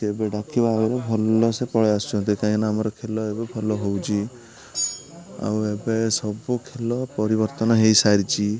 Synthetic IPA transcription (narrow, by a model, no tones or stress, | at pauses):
ebeɖakʰibaeɾɔbʱɔlɔsepɔɭeast͡ʃũnt̪̬ikaĩknaamɔɾɔkʰelɔebebʱɔlɔɦowt͡ʃʰi | a̰webesɔbukʰelɔpɔɾibɔɾt̪ɔnɔɦejsaɾt͡ʃʰi